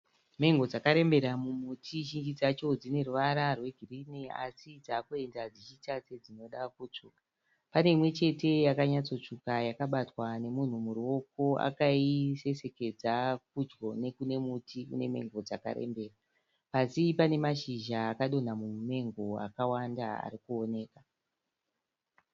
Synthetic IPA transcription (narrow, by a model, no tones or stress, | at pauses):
me̞ŋɡo̞d͡zakaɾe̞mbe̞ɾamumutʰiʒind͡ʒid͡zat͡ʃo̞d͡zine̞ruʋaɾarwe̞ɡʱirinea̰sid͡zaːkue̞ndad͡zit͡ʃitat͡sed͡zino̞ɗakut͡ʂuka | pane̞imwe̞t͡ʃe̞te̞jakaɲat͡so̞t͡ʂukajakaɓatwane̞mun̤umuɾuo̞ko̞a̰kaise̞se̞ke̞d͡zak̚ud͡ʒɡo̞ne̞kune̞mutikṵne̞me̞̰ŋɡo̞d͡zaka̰ɾḛmbe̞ːra | pasipane̞maʃiʒaːkaɗo̞n̤amume̞ŋɡo̞a̰kawandaa̰ɾikuone̞ːka